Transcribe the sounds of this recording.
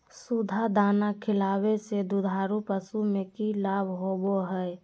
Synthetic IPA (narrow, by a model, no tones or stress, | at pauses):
sud̪ʱad̪aːnakʰɪlaːwesed̪ud̪ʱaːɾupəsumẽkilaːbʱɦoːboɦɛɛ